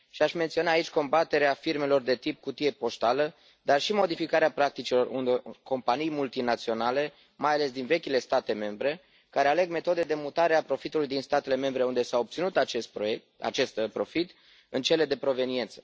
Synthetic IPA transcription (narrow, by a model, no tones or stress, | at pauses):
ʃiaʃment̪sio̞naːit͡ʃʲko̞mbat̪e̞ɾeafirme̞lo̞rd̪e̞t̪ip̚kut̪ije̞po̞st̪alə | d̪arʃimo̞d̪ifikaɾeapɾak̚t̪it͡ʃilo̞rund̪eko̞mpanijmult̪inat̪sio̞nale̞ | majale̞sd̪inve̞kʲile̞st̪at̪e̞me̞mbɾe̞ | kaɾe̞ale̞ɡme̞t̪o̞d̪ed̪e̞mut̪aɾeapɾo̞fit̪ulujd̪inst̪at̪e̞le̞me̞mbɾe̞und̪e̞saob̚t̪sinut̪at͡ʃest̪pɾoe | a̰t͡ʃe̞st̪pɾo̞fit̪ | ɨnt͡ʃe̞le̞d̪e̞pɾo̞ve̞nie̞nt̪sə̥